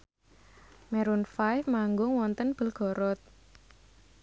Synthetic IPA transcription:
mɛɾunfajfmaŋɡʊŋwɔnt̪ənb̥ə̤lɡ̥ɔ̤ɾɔt̪̚

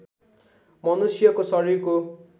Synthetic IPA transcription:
mʌnusjʌkosʌɾiɾko

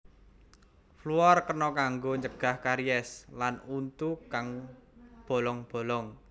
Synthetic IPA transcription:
fluɔrkənɔkaŋɡoɲd͡ʒəɡ̥a̤hkaɾiɛslanunt̪ukaŋ | b̥o̤lɔŋb̥o̤lɔŋ

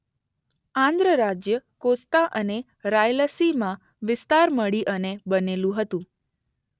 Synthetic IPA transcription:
ãnd̪ɾəɾad͡ʒjəkost̪aʔəne | ɾajləsimã | ʋɪst̪aɾməɭiʔənebənelũɦət̪ũ

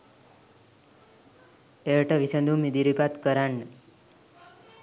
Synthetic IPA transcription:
eʈəʋisə̃nd̪ʱumid̪iɾipat̪kəɾaɳ

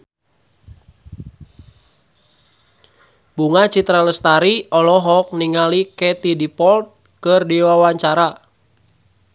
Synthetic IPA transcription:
buŋat͡ʃit̪ɾaləst̪aɾiɔlɔɦɔk̚niŋalikɛt̪idipɔlt̪̚ | kərdiwawaɲt͡ʃaɾa

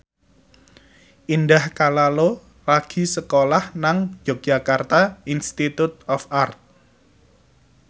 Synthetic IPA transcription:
ʔindahkalalo | laɡ̥i̤səkolahnaŋ̥d͡ʒ̥o̤̥d͡ʒ̥a̤kart̪ainst̪it̪ut̪̚ɔfart̪̚

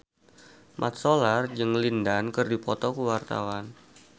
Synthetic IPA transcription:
mʔa̰t̪̚solard͡ʒɨŋlindankərdipɔt̪ɔkuwart̪a̰wan

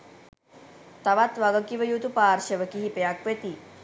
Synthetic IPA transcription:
t̪aʋat̪ʋaɡəkiʋəjut̪upaːɾʃəʋəkiɦipejakʋet̪i

